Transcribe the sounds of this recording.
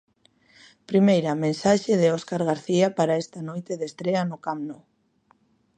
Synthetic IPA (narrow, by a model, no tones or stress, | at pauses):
pɾimejɾɐmẽnsaʃeðɪɔskaɾɣaɾθiapaɾaest̪anojt̪eðest̪ɾeanʊkamno